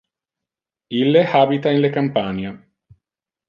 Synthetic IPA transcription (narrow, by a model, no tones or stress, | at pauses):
ilːehaːbit̪ainlekampaːɲe